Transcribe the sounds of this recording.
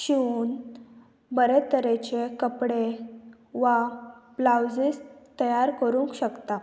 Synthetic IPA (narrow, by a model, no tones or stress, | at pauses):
ɕiuːn | bəɾet̪əɾet͡ɕekəpɽe | ʋablawd͡zist̪əjaɾkəɾũŋkɕəkt̪a